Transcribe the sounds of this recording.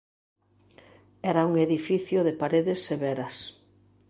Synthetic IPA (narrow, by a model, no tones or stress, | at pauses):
ɛɾɐuŋeðifiθjʊðepaɾeðɪsːeβɛɾɐs